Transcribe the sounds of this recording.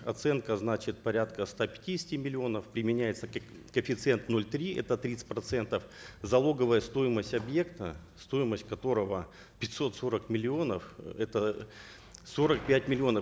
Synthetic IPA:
ɐt̪sɛnkəznat͡ɕɪt̪̚pɐɾʲat̪kəst̪apʲɪ̥tʲidʲɪsʲɪ̥tʲɪmʲɪlʲɪo̞nəfpɾʲɪmʲɪnʲæjɪt̪sək | kəfʲɪt̪sɨɛnt̪no̞lʲt̪ɾʲiʔɛ̰t̪ət̪ɾʲit̪sɨ̥tʲpɾɐt̪sɛnt̪əfzɐlˠo̞ɡəvəjəst̪o̞jɪməsʲtʲɐbje̞kt̪əst̪o̞jɪməsʲtʲkɐt̪o̞ɾəvə | pʲɪt̪ʲso̞t̪so̞ɾəkmʲɪlʲɪo̞nəfɛt̪ə | so̞ɾək̚pʲætʲmʲɪlʲɪo̞nə

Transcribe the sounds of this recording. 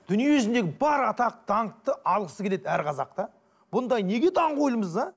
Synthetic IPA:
d̪̥ʏnijije̞ʏzɪnd̪e̞ɡʲɪbɑɾɑt̪ɑq̚t̪ʰɑɴt̪ːəʔɑlˠʁəsəkʰʲe̞le̞d̪æɾqʰɑzɑq̚t̪ɑ | b̥ʊnd̪ɑjne̞ɡʲe̞t̪ʰɑɴqujlˠəməzɑ

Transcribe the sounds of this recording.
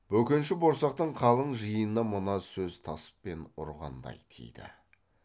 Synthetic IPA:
b̥ɵkʲe̞nʃɪbo̞ɾsɑq̚t̪əɴqʰɑlˠəɴʒəjənəmʊnɑsɵzt̪ʰɑsə̥p̚ːe̞nʊ̰ɾʁɑ̰nd̪ɑ̰jt̪ʰḛjd̪ɪ̰

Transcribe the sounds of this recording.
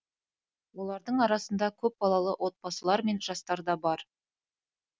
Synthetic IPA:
wo̞lˠɑɾd̪əɴɑɾɑsənd̪ɑkʲʰɵp̚bɑlˠɑlˠəwʔo̞t̪̚pɑsəlˠɑɾme̞nʒɑst̪ɑɾd̪ɑbɑɾ

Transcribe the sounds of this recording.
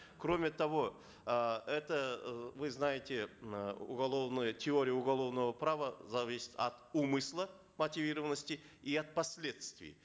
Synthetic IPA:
kro̞mʲɪt̪avo̞ | ɛt̪əvɨznajɪt̪ʲɪuɡɐlˠo̞vnɨjətʲɪo̞ɾʲɪjəʊɡalˠo̞vnəvəpravəzɐvʲisʲɪ̥t̪ɐt̪umɨslˠə | mət̪ʲivʲiɾəvənːəsʲtʲɪ | iat̪̚pɐsʲlʲe̞t̪st̪vʲɪ̰j

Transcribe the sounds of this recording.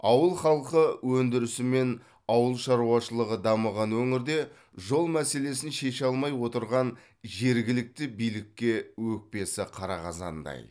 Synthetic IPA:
ɑwəlˠχɑlˠqəwɵnd̪ɪɾɪsɪme̞n | ɑwəlˠʃɑɾuwɑʃəlˠəʁəd̪ɑməʁɑnwɵŋɪɾd̪e̞ | ʒo̞lˠmæse̞le̞sɪnʃe̞ʃɑlˠmɑjwo̞t̪əɾʁɑn | ʒe̞ɾɡʲɪlɪk̚t̪ɪbijlɪkʲːe̞wɵk̚pe̞sɪqʰɑɾɑʁɑzɑ̰nd̪ɑ̰j

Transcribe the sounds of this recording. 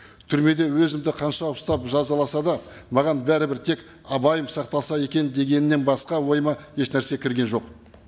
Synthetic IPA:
t̪ʰʏɾme̞d̪e̞wɵzɪmd̪ɪqʰɑnʃɑʊst̪ɑpʒɑzɑlˠɑsɑd̪ɑ | mɑʁɑnbæɾɪbɪɾt̪ʰe̞k | ɑbɑjəmsɑqt̪ɑlˠsɑje̞kʲe̞nd̪e̞ɡʲe̞nɪnːe̞nbɑsqɑwo̞jəmɑje̞ʃnæɾse̞kʲʰɪɾɡʲe̞nʒo̞q

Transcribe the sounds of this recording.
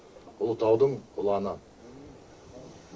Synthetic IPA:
ʊlˠʊt̪ɑwd̪əɴqʰʊlˠɑnə

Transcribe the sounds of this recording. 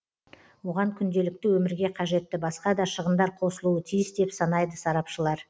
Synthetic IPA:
wo̞ʁɑŋkʲʰʏnd̪e̞lɪk̚t̪ɪwɵmɪɾɡʲe̞qʰɑʒe̞t̪ːɪbɑsqɑd̪ɑʃəʁənd̪ɑɾqʰo̞səlˠuət̪ʰijɪsd̪e̞psɑnɑjd̪əsɑɾɑpʃəlˠɑɾ

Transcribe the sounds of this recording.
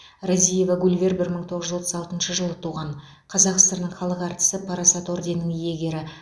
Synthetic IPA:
razʲije̞vɑɡulʲvʲe̞rbɪɾməɴt̪ʰo̞ʁəʒʏzwo̞t̪ə̥zɑlˠt̪ənʃəʒəlˠət̪ʰuʁɑɴ | qʰɑzɑqst̪əɾnəɴχɑlˠəqɑɾt̪ə̥səpʰɑɾɑsɑt̪o̞ɾd̪e̞nːɪŋije̞ɡʲe̞ɾɪ

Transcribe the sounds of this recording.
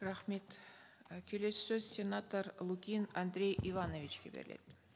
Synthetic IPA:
rɑχmet̪ | kʲʰɵlessøzsʲenat̪əɾlˠukʲinand̪ɾʲe̞jʔivanovʲit͡ʃkʲebeɾɪ̰̆le̞̰t̪

